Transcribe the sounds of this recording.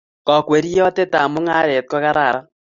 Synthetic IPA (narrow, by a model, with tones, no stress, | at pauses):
kɔ˨kwe˨ɾi˦jɔ˦tɛ˦ta˨mʊ˦ŋa˦ɾe˨t̚kɔ˦ka˦ɾa˨ɾa˦